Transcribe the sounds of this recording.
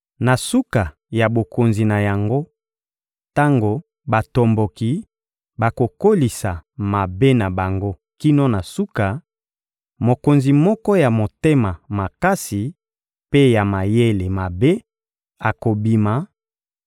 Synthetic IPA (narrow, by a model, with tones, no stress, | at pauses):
na˨su˦ka˨ | ja˨bo˨ko˨nzi˨na˨ja˨ŋɡo˦ | ta˦ŋɡo˨ | ba˨to˨mbo˨ki˨ | ba˨ko˨ko˦li˨sa˨ma˨be˦na˨ba˨ŋɡo˦ | ki˦no˦na˨su˦ka˨ | mo˨ko˨nzi˨mɔ˦kɔ˦ja˨mo˨te˦ma˨ma˨ka˦si˨ | pe˦ja˨ma˨je˦le˨ma˨be˦ | a˨ko˨bi˨ma˨